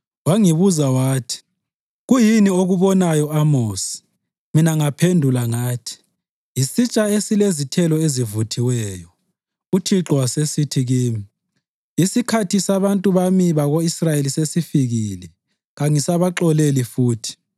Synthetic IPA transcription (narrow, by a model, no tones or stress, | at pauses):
waŋiβuzawaːtʰi̥ | ɣujinioɣuβɔnajɔamoːsi̥ | minaŋapʰendʱulaŋaːtʰi̥ | jisit͡ʃʼaesilezitʰɛlɔezivutʰiwɛːjɔ | utʰiǁɔwasesitʰiɣiːmi | isikʰatʰisaβantʼuβamiβaɣoisrajelisesifiɣiːlɛ | ɣaŋisaβaǁɔlelifuːtʰi̥